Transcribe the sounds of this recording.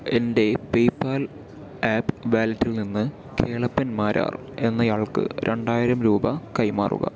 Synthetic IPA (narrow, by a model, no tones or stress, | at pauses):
e̞nde̞pejpːaːl | aːpːʋaːlɐtːilninːɨ | ke̞ːɭɐpːɐnmaːɾʔa̰ːr | e̞nːɐjaːɭkɨ̰ɾʔe̞ɳɖaːjiɾɐmɾuːbɐkɐjmaːrṵɣɐ̰